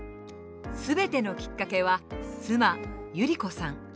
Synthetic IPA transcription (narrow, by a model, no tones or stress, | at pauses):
sɨbe̞t̪e̞no̞kʲi̥kːake̞βasɨmajɯ̟ɾʲiko̞sãŋ